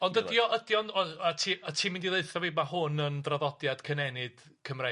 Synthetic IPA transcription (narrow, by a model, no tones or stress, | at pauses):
ɔndədiɔʔədjɔnɔatʰiːatʰiːmɪndilˠeɨθɔviːmahʊnəndraðɔdjad̥kʰənɛnɪd̥ | kʰəmre